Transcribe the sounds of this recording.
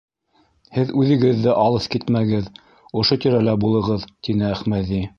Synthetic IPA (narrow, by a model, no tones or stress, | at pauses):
hɘðʉðɘ̆ɡɘ̆ðːɘʔɑlˠɤθkit̪mæɡɘð | ŏʃot̪ĭɾælæbulˠɤ̆ʁɤðt̪inɘæχmæði